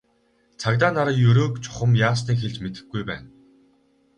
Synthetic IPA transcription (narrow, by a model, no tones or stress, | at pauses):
t͡sʰakt̪̬aːnaɾaːjɵɾoːkt͡ɕʰʊ̥χə̆mjaːs̬niːkxeɮt͡ɕmet̪ɘ̥̆xɡujpæ̰ːn